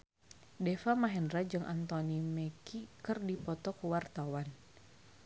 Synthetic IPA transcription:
dɛfamaɦɛndɾad͡ʒɨŋʔant̪ɔnimɛkikɨrdipɔt̪ɔkuwart̪awan

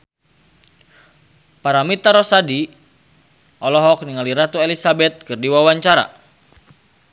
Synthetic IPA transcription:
paɾamit̪aɾɔsadi | ʔɔlɔɦɔk̚niŋaliɾat̪uelisabɛt̪̚kɨrdiwawaɲt͡ʃaɾa̰

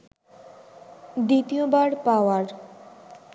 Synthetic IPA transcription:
d̪it̪iobaɾpaoaɾ

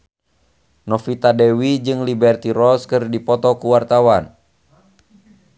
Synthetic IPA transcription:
nɔfit̪adɛwid͡ʒɨŋlibɛrt̪iɾɔskɨrdipɔt̪ɔkuwart̪awan

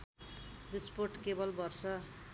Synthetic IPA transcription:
risporʈkebʌlbʌrsʌ

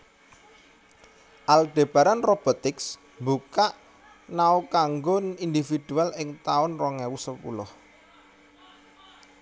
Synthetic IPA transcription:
ʔald̪̥e̤b̥a̤ɾanrob̥ɔ̤t̪ɪks | mbukaʔ | naukaŋɡɔnind̪ifid̪̥ṳalɪŋt̪aʊnrɔŋɛwusəpṵlʊh

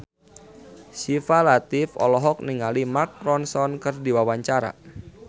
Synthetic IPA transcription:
sifalat̪ɪfɔ̰lɔɦɔk̚niŋalimakɾɔnsɔnkɨrdiwawaɲt͡ʃaɾa̰

